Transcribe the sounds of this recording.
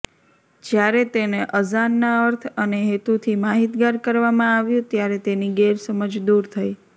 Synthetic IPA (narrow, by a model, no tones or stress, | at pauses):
d͡ʒjaɾet̪eneʔəzanːaəɾt̪ʰəneɦet̪ut̪ʰimaɦit̪ɡaɾkəɾʋamãaʋjũt̪jaɾet̪eniɡeɾsəməd͡ʒd̪uɾt̪ʰəi